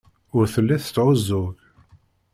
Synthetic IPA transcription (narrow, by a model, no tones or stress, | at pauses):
ʊɾθəlːæθət͡sːʕʊzːʊʝ